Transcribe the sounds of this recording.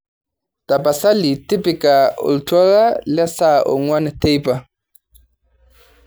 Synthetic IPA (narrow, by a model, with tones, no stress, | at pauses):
ta˨pa˨sa˦li˨ti˦pi˨ka˨ɔ̰˨ltʰa˦ɣa˦la˦sa˦ʔo̰˨ŋwa˦nɛ˨te˦jpa˨